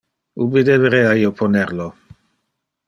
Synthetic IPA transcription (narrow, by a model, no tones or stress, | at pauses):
ubid̪eveɾɛaiːopʰoneɾlo